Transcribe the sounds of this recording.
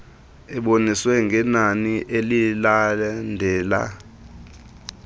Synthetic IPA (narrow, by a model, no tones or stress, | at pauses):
ɛɓoniswɛŋɡʱɛnaniʔelilandʱɛːla̰